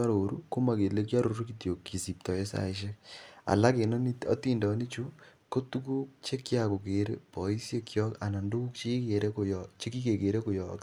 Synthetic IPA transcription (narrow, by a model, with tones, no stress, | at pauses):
a˦ɾo˨ɾu˦ko˦ma˨ke˨le˦k̬ja˦ɾo˨ɾu˦ki˨tjo˨kːi˨si˨p̚tɔ˨e˦sa̰˨iʃ̬e˦ka̰˨la˦ke˨nɔ˦niɔ̰˦ti˦ndɔ˨ni˦t͡ʃu˦ko˦tu˦ku˦k̚t͡ʃe˦kjako˨ke˨ɾḛ˦pɔ˨i˦sje˦kjɔ˦ka˨na˨ndo˦u˦k̚t͡ʃeike˨ɾekojt͡ʃe˦ki˦ke˨ke˨ɾe˦ko˨jɔk